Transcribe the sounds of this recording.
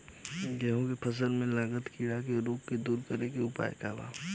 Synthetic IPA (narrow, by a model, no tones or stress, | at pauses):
ɡɛɦõkepʰɐsəlmẽlaːɡət̪kiːɽak̬eɾoːkkːed̪uːɾkəɾekeʊpa̰ːekaːla̰ː